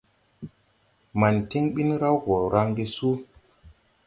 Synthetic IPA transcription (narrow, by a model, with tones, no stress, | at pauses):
ma˨nti˦ŋɓi˦nɾa˦wɡo˨ɾa˦ŋɡe˦su˦